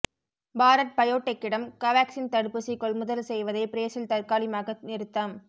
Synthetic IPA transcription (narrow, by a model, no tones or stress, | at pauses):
baːɾɐʈ̚pɐjoːʈːɐkːɪɽɐmkɐʋaːksɪnt̪ɐɽɯpːɯsikːɔɭmʊðɐlsɛjʋɐðɐɪpɪɾeːsɪlt̪ɐrkaːlɪmaːɣɐnɪɾɯt̪ːɐm